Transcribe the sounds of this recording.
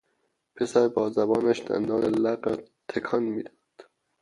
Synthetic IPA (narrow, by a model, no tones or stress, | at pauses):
pʰesæɾbɒːzæbɒːnæʃd̪̥æ̰nd̪ɒːnelæqɑt̪ʰekʰɒnmiːd̪ɒːd̪̥